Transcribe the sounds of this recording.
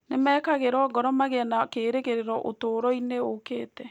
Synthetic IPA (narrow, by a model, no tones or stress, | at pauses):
nemɛːkaɣeɾɔɡɔɾɔmaɣeanakeːɾeɣeɾeɾɔʔo̰toːɾɔineokeːtɛ